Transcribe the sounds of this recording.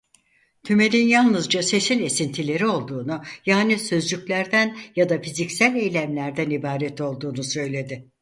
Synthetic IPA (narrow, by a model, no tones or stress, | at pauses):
t̪ʰyme̞lʲinjalˠnɯzd͡ʒase̞sine̞sint̪ʰilʲe̞ɾio̞lˠd̪uːnujaːnisø̞zd͡ʒycʲlʲæɾd̪ænjad̪afizicsælʲe̞jlʲæmlʲæɾd̪ænibaːɾɛt̪ʰo̞lˠd̪uːnusø̞jlʲe̞d̪ɪ